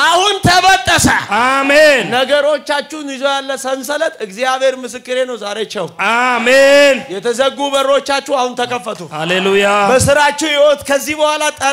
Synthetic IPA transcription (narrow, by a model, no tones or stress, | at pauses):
ʔahunt̪ʰəβət̪ʼːəsəamennəɡəɾo̞t͡ʃːat͡ʃːɪhnizojalːəsənsələt̪ʼɨɡzijaβhe̞ɾmɨsɨkːɨɾe̞nəwzaɾet͡ʃːɛwamenjɛt̪ʰəzəɡubəɾot͡ʃːat͡ʃːuhahunt̪ʰəkʰəfːət̪ʰohalelujabəsɨɾat͡ʃːuwjewot̪ʼkʰəzːihbəhʷwalat̪ʼə